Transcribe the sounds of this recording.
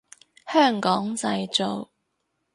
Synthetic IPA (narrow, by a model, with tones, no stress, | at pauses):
hœː˥˩ŋkɔː˨˥ŋt͡sɐ˧jt͡ʃo˨˧w